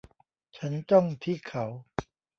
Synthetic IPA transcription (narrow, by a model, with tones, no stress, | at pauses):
t͡ɕʰa˦˥nt͡ɕɔ˥˩ŋt̪ʰiː˥˩kʰa˩˦w